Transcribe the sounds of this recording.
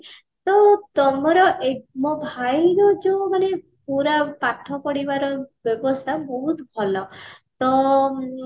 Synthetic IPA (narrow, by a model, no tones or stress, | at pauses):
t̪ɔt̪ɔmɔɾɔʔeɡmɔbʱajɾɔd͡ʒemane | puɾapaʈʰɔpɔɽibaɾɔbjɔbɔst̪ʰabɔɦut̪bʱɔlɔt̪ɔ